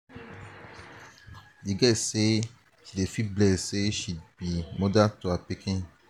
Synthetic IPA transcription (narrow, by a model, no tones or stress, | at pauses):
jeɡɛse | tilefiblɛseʃibimõdatoapekẽ